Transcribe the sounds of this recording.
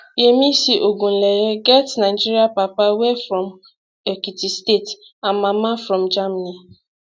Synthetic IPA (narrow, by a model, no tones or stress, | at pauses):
jemisiʔoɡun̩leɾeɡɛtnaɪd͡ʒiɾiapapawefɾɔ̃m | ekitistet | ãnmamafɾɔ̃md͡ʒamani